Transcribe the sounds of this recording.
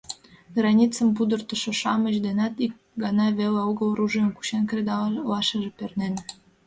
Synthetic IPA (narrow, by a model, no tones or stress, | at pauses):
ɡrɑnʲit͡səmpud̪ərt̪ə̆ʃŏʃɑməʑd̪enɑt̪ik̚ | ɡɑnɑβeleoɣəlruʒimku̥ɕenkred̪ɑlɑʃəʒepernen